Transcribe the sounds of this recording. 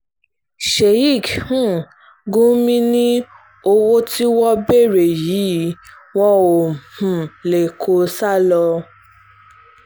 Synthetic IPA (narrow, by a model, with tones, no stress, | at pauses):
ʃe˨i˦˨khũ˦˨ | ɡũ˦mĩ˦nĩ˦ | o˧wo˦ti˦wɔ˦be˦˨ɾe˨ji˨˦ | wɔ̃˦o˨hũ˨le˨kʰo˧sa˦˨lɔ˧